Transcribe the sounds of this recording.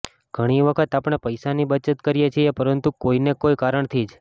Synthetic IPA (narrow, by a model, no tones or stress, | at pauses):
ɡ̥ʱəɽ̃iʋəkʰət̪apɽ̃epəjsanibət͡ʃət̪kəɾijet͡ʃʰiepəɾənt̪ukoinekojkaɾəɳt̪ʰid͡ʒ